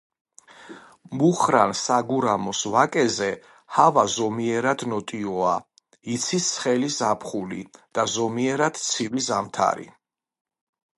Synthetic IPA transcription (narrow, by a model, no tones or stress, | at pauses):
muχɾansaɡuɾamɔsvakʼɛzɛ | havazɔmiɛɾad̪nɔt̪ʼiɔa | it̪sʰisχɛlisapʰχulḭd̪̥azɔmiɛɾad̪̥t̪sʰivizamt̪ʰa̰ɾḭ